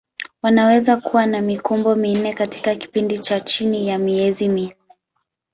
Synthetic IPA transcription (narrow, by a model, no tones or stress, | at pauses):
wanawɛzakuwanamikumbɔmin̩nɛkati̥kaki̥pindit͡ʃat͡ʃinijamiɛziminɛ